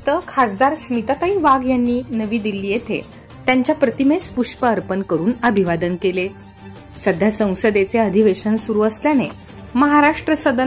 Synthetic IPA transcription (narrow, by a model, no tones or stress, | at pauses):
t̪əkʰasd̪aɾsmit̪at̪aɦĩːʋaɡjanːiːnəʋiːd̪ilːiːjet̪ʰḛ | t̪jaɲt͡ɕjapɾət̪imespuʂpəəɾpənkəɾuːnəbʱiʋad̪ənkele | səd̪ʱjasə̃w̃səd̪et͡seəd̪ʱiʋeɕənsuɾuəsljane | məɦaɾaʂʈɾəsəd̪ə